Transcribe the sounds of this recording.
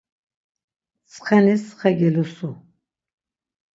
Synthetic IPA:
t͡sʰʼχɛnisχɛɡɛlusu

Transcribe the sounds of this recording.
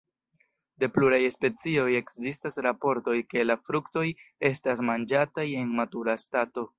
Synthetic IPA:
de̞pluɾajspe̞t͡sio̞je̞kzistasɾapo̞ɾto̞jke̞lafɾukto̞je̞stas̬mand͡ʒataje̞nmatuɾastato̞

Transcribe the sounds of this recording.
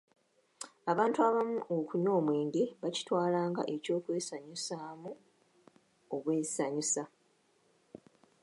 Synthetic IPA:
aβaːntuaβamuʔokuɲo̞ːmwe̞ːŋɡe̞βaci̥twaːlaːŋɡa̰ʔe̞co̞ːkwe̞ːsaɲisaːmu | oβwe̞ːsaɲisa

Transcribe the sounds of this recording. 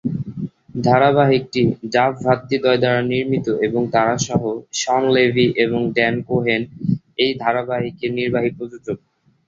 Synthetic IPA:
d̪ʱaɾaβaɦik̚ʈiɖafbʱat̪ːid̪ɔed̪aɾaniɾmit̪oʔeboŋt̪aɾaʃɔɦoʃɔnlebʱiʔeβoŋɖɛnkoɦen | ejd̪ʱaɾabaɦikeɾniɾbaɦipɾod͡ʑod͡ʑoɡ̚

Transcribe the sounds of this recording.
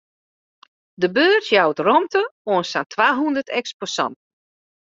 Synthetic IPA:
dəbøːrtjawtrɔmtəoənsantʰwaːɦundərtʰɛksposɔ̰nt

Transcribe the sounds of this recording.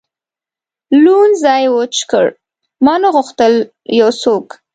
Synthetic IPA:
lunzɑjwot͡ʃkə̰ɽ | mɑnəɣʊxt̪əl | jawsok

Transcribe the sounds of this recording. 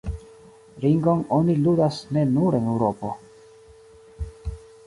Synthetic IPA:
ɾiŋɡo̞noniludasne̞nuɾenewɾopo̰

